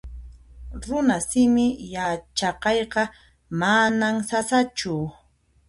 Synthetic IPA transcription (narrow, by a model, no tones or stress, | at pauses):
ɾʊnasɪmɪjat͡ʃɑqɑjqɑ | manamsasat͡ʃʊ